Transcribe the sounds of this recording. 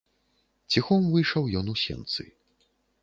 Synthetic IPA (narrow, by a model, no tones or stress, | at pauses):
t͡sʲixɔmvɨjʂɐwjɔnusʲɛ̰nt̪sɨ̰